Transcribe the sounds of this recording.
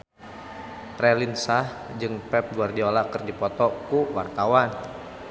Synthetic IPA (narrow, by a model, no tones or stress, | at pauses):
rɛlinsah | d͡ʒɨŋpɛp̚ɡuardiolakɨrdipɔt̪ɔkuwart̪awan